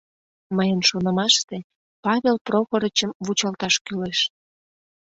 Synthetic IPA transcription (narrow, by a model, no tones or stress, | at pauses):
məjənʃonəmɑʃt̪e | pɑβʲelproxoɾət͡ɕəmvut͡ɕɑlt̪ɑʃkyleʃ